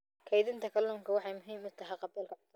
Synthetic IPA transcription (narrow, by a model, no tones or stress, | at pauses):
kʰɐjðɪnt̪ʰɐkʰɐluŋkʰɐwɑħɑjmʊɦiːmʊt̪ʰɐɦɛjqɑbiːlkʰɐ